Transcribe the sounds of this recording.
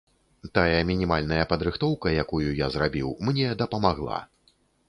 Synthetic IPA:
t̪ajɐmʲinʲimalʲnɐjɐpɐd̪ɾɨxt̪ɔwkɐjakujujazɾabʲiwmnʲɛd̪ɐpɐmaɣlˠa̰

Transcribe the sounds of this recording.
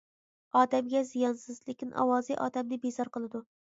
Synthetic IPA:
ɑːd̪æmɡʲɛzijɑnsɨzlɪkʲinʔɑ̰wɑːziʔɑ̰ːd̪ɛmnɪbezɑɾqəlˠɨd̪u

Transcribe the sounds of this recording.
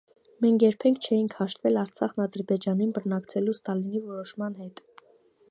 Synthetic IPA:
mɛŋkʰjɛɾpʰɛŋkʰt͡ʃʰɛjiŋkʰhɑʃt̪vɛlɑɾt͡sʰɑχnɑd̪əɾbɛd͡ʒɑninbənɑkt͡sʰɛlust̪ɑlinivɔɾɔʃmɑnhɛt̪

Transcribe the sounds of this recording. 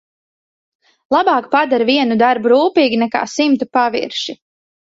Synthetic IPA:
lˠabɑːkpad̪aɾviɛnud̪aɾbuɾuːpiːɡʲinɛka̰ːsimt̪upavḭɾʃi

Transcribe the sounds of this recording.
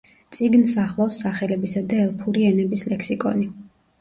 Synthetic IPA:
t̪sʼiɡnsaχlˠɔwsːaχɛlɛbisad̪aɛlˠpʰuɾiɛnɛbislɛkʰsikʼɔ̰ni

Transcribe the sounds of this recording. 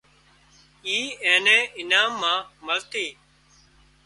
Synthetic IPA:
iːẽːnẽːɪnaːmːãːməlt̪iː

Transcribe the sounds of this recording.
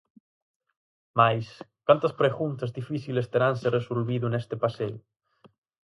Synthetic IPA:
majskwant̪aspɾeɣunt̪azðifiθilest̪eɾanseresulβiðunest̪epaseu

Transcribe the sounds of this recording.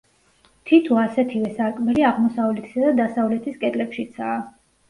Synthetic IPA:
t̪ʰit̪ʰuasɛt̪ʰivɛsakʼmɛɾiaʁmɔsavulɛt̪ʰi̥sad̪ad̪asavlɛt̪ʰiskʼɛd̪ʼlɛpʃit̪sʰaː

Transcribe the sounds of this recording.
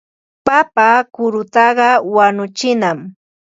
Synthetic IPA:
papakʊɾʊt̪ɑɢɑwanʊt͡ʃɪnam

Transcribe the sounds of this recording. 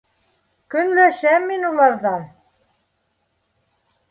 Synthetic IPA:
kɵ̆nlæʃæmːinulˠɑɾðɑn

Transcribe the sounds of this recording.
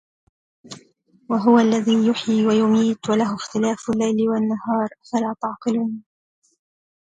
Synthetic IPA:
waɦʊwaʔlːaðiːjʊħiːwajʊmiːt̪walaɦʊxt̪ɪlaːfʊlːajlɪwanːahɑːɾˤfalaːt̪ɑʕqɨluːn

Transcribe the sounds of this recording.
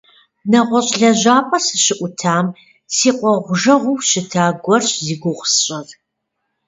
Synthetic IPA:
nɐʁʷɔɕʼɮɐʑaːpʼɐsɨɕɪʔʷʊtʰaːm | siːqʷʼɔʁʷʊʒɐʁʷʊwʃɪtʰaːɡʷɔrɕziːɡʷʊʁʷsɕʼɐr

